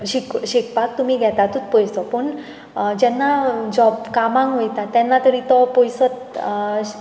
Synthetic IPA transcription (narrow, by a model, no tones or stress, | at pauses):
ɕikɕikpak̚t̪um̤iːɡʱɛt̪at̪ut̪̚pɔjsɔpəɳ | d͡ʑɛnːad͡ʑɔbkamãŋkɦojt̪at̪ːɛnːat̪əɽit̪ɔpojsət̪